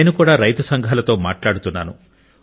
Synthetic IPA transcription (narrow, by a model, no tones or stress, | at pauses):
eːnukuːɽaːɾɐjt̪ɐsɐŋɡʱaːlɐt̪o̞ːmaːʈlaːɽut̪unːa̰ːnṵ